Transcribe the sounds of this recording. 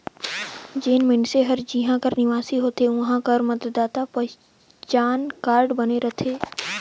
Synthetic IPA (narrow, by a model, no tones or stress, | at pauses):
d͡ʒeːnmɪnseɦɐɾd͡ʒiɦãkəɾnɪʋaːsiɦoːt̪eʋɐɦãkəɾmɐt̪d̪aːt̪apɐ | t͡ʃaːnkaːɾɖbɐneɾɐt̪ʰeː